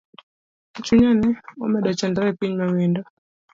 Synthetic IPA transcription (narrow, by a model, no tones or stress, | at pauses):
t͡ʃuɲaniwa̰mɛɗat͡ʃandaɛkiɲmawinda